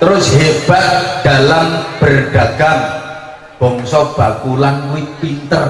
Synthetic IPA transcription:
t̪əɾʊsɦeb̥aʔɖ̥a̤lamb̥ərɖ̥a̤ɡ̥aŋ | b̥ɔŋsɔb̥a̤kulanwɪpint̪ər

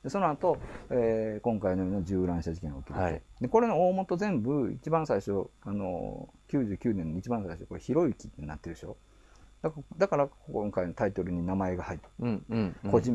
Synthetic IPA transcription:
d̪e̞so̞noat̪o̞eːkõ̞ŋkainojoːnad͡ʑɨːɾãɰ̃ɕad͡ʑikẽ̞okʲiɾɯt̪ed̪eko̞ɾe̞noo̞ːmo̞t̪o̞zẽ̞mbɯ̟ḭt͡ɕibãsaiɕo̞ano̞̰ | kʲɨːʑɨːkʲɨːnẽnːoit͡ɕibãsaiɕoko̞ɾeçiɾo̞ikʲi̥t̪ːena̰t̪ːe̞ɾɯ̟ɕo̞ | d̪akd̪akaɾakoŋkainot̪ait̪o̞ɾɯ̟ɲ̟inamae̞ɡahait̪ | ko̞ʑĩ

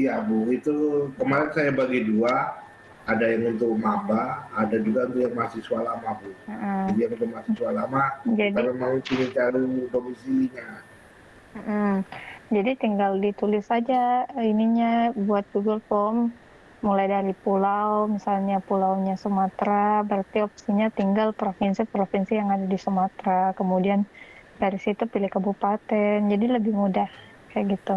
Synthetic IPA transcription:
iabuit̪ukəmaɾɪnsajabaɡidua | adajaŋunt̪ʊk̚mabaːdad͡ʒuɡaunt̪ujaŋmasɪhsualamabʊm̩m̩d͡ʒadijaŋunt̪̬ʊk̚masɪsualamaadanamat͡ʃinit͡ʃaɾidomisiɲa | m̩ʔm̩d͡ʒadit̪iŋɡaldit̪ulɪsad͡ʒainiɲabuat̪̚ɡuɡəlfɔmː | ulajdaɾipulawmisalɲapulawɲasəmat̪ɾabəɾart̪iopsiɲat̪iŋɡalpɾofinsipɾofinsijaŋadadisəmat̪ɾakəmudiandaɾisit̪upilɪhkabupat̪ɛnd͡ʒadiləbɪhmudah | kajaʔɡit̪u

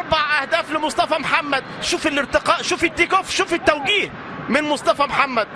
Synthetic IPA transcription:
ʔɑɾˤbaʕʔæhd̪æːflɪmosˤt̪ˤɑfæmħamːæd̪ʃuːfelʔɪɾt̪ɪqɑːʔʃuːfɪt̪ːikofʃuːfɪt̪ːæwɡiːh | mɪnmosˤt̪ˤɑfæmħamːæd̪̚

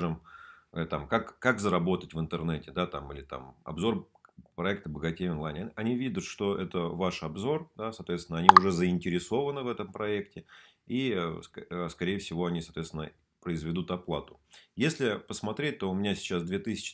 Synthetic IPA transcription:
ʐɨmt̪amkakːakzəɾɐbo̞t̪ətʲvɨnt̪ɨrnɛtʲɪd̪at̪amilʲɪt̪a̰mɐ̰bzo̞r | pɾɐɛkt̪əbəɡɐtʲejonlˠajnʲɐnʲivʲid̪ʲʊt̪ʂt̪o̞ʔɛt̪əvaʂɐbzo̞rd̪asɐːt̪vʲet̪sʲɪnəɐnʲiʊʐɛzəɪnʲtʲɪɾʲɪso̞vənɨvɛt̪əmpɾɐek̚tʲɪ | isəskɐɾʲejfsʲɪvo̞ɐnʲisɐt̪vʲet̪sʲɪnə | pɾəɪzvʲɪd̪ut̪ɐplˠat̪ʊ̥jesʲlʲɪpəsmɐt̪ɾʲet̚ʲt̪o̞ʊmʲɪnʲasʲɪ̥t͡ɕːasd̪vʲet̪ɨsʲɪ̥t͡ɕɪ̥

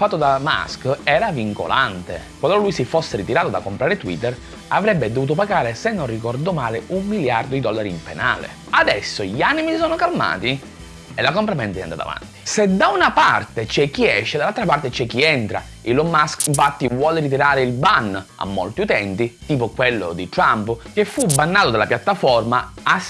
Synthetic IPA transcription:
fat̪ːod̪ama̰skɛːɾaviŋko̰lʔa̰nt̪ḛ | kwalolujsifosːeɾit̪iɾaːt̪od̪akːompɾaːɾet̪wḭt̪ːer | avɾɛbːed̪ovuːt̪̬opaɡaːɾesenːonrikɔrd̪omaːleumːiljard̪od̪id̪ɔlːaɾiimpena̰ːlḛ | ad̪ɛsːoʎianimisisɔːnokalma̰ːt̪i | elːakompɾamɛnt̪ɛa̰nd̪a̰t̪a̰va̰nt̪i̥sed̪aunapart̪et͡ʃɛk̟ːiɛʃːed̪alːalt̪ɾapart̪et͡ʃɛk̟ːiɛnt̪ɾa̰ | ilːomːaskiɱfat̪ːivwɔːleɾit̪̬iɾaːɾeilbana̰mːo̰lt̪iut̪ɛnt̪it̪iːpokwelːo̰d̪it̪ɾampkefːubanːaːt̪od̪alapjat̪ːafɔrmaas

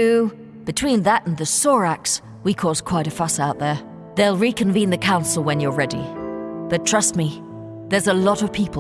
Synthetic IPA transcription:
ʉ | b̥ɨtʰw̥ĩnðəɾn̩ðɨsɔɹæks | wikʰɔz̥kʰw̥aɪɾɨfʌsaʊt̪̚ðə˞ | ðeɪlˠɹikʰɨ̃ɱvĩnðɨkʰãʊ̃nsl̩ˠwə̃njə˞ɹɛɾḭb̥ʌtʰɹ̥ʌst̚mi | ðə˞zəlɔɾʌv̥pʰipl

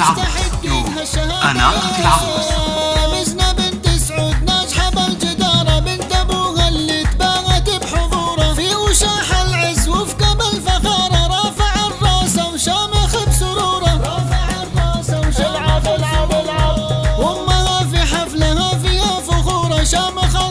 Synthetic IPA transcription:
ʃt̪aħɪd̪ːiːkɦaʃːahaːanad̪ | amɪznabɪnt̪ɪsʕuːd̪naːd͡ʒħabald͡ʒɪd̪ɑːɾˤɑmɪnt̪abuːhalːiːt̪baːɣat̪ɪbħʊðˤuːɾˤɑfiʔʊʃaːħalʕɪzwɪfkabalfaxɑːɾˤɑɾˤɑːfaʕɑrˤːɑːsawʃaːmaxabsʊɾuːɾˤɑɾˤɑːfaʕɑrˤːɑːsawʃalʕalablʕawʊmːahafiħaflahafiːhafʊxuːɾˤɑʃaːmaxa

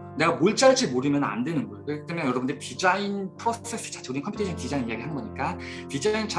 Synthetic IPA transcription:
ne̞ɡamoɭt͡ɕ͈aɭd͡ʑimoɾɯmjʌna̰ndwe̞nɯnɡʌeokɯket͈ʰemjʌnjʌɾʌbundeitid͡ʑainpʰɯɾos͈ʰe̞s͈ɯ̥t͡ɕʰḁt͡ɕʰuɾinkʰʌpʰutʰet͡ɕʰʌntid͡ʑainijaɡiɦanɯnɡʌɲik͈atid͡ʑaint͡ɕa

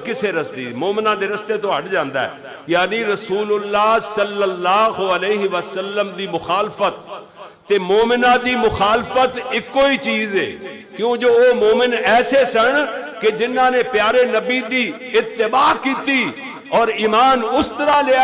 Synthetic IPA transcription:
kɪseɾəst̪ḭːmoːmɪnãːd̪eːɾɪst̪eːt̪õɦɐʈd͡ʒãːnd̪a̰ːɦɛ̰ː | jaːniːɾəsuːlʊlːaːsəlːəlːaːɦəleːɦɪʋəsəlːəmd̪iːmʊxaːlfət̪̚ː | eːmoːmɪnãːd̪iːmʊxaːlfət̪ɪkːoːiːt͡ʃiːzɦḛː | kjũːd͡ʒoːoːmoːmɪnɛːsesəɳked͡ʒɪnãːneːpjaːɾeːnəbiːd̪iː | ɪt̪ːɪbaːkiːt̪iː | ɔːɾiːmaːnʊst̪əɾaːlɪja

